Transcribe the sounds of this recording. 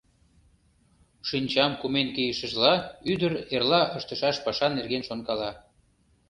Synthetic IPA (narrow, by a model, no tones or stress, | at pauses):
ʃinʲt͡ɕɑmkumenkejəʃə̆ʒlɑyd̪əɾerlɑʔəʃt̪əʃɑʃpɑʃɑnːerɣenʃonkɑlɑ